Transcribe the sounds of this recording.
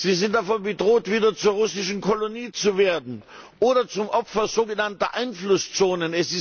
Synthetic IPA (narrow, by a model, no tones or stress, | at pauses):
z̥iːzɪnt̚d̥afɔnbədʁoːtv̥iːdɐt͡suːɐʁʊsɪʃn̩kʰɔloniːt͡suveːɐdn̩ | ʔoːɾɐt͡sʊmʔɔpfɐzoːɡənantɐʔaɪnflʊst͡soːnənɛsɪs